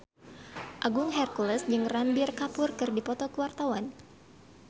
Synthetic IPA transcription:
ʔaɡuŋɦɛrkuləsd͡ʒɨŋrambɪrkapʊrkɨrdipɔt̪ɔkəwart̪awan

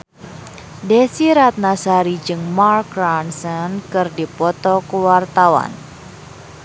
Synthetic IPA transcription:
desiɾat̪̚nasaɾid͡ʒɨŋmarkɾansɔnkɨrdipɔt̪ɔkuwart̪awa̰n

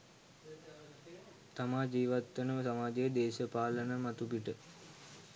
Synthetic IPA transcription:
t̪amaːd͡ʒiːʋat̪ːənəməsamaːd͡ʒejəd̪eːʃəpaːlənəmat̪ubiʈə

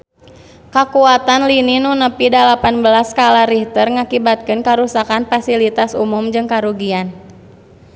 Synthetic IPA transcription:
kakuat̪anlininunəpidalapanbəlaskalaɾiht̪ərŋakibat̪̚kɨnkaɾusakanfasilit̪asumumd͡ʒɨŋkaɾuɡian

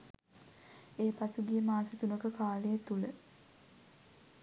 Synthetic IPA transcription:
eːpasuɡijəmaːsət̪unəkəkaːlejet̪ulə

